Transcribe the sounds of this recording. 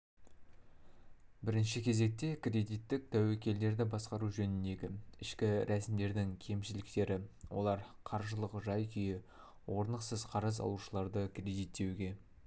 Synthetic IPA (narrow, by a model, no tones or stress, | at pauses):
bɪɾɪnʃɪkʲʰe̞ze̞k̚t̪e̞krʲe̞d̪ijt̪ːɪk̚t̪ʰæwekʲe̞ld̪e̞ɾd̪ɪbɑsqɑɾuʒɵnɪnd̪e̞ɡʲɪɪʃkʲɪɾʔæsɪmd̪e̞ɾd̪ɪŋkʲʰe̞mʃɪlɪk̚t̪e̞ɾɪwʔo̞̰lˠɑɾqʰɑɾʒəlˠəqʒɑjkʲʰʏjɪ | wʔo̞ɾnəqsəzqʰɑɾəzɑ̰lˠuʃəlˠɑɾd̪əkre̞d̪ijt̪ːe̞wɡʲe̞